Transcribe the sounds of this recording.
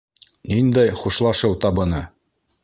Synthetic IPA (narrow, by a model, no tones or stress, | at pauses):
nind̪æjχuʃlˠɑʃɤwt̪ɑbɤ̆nɤ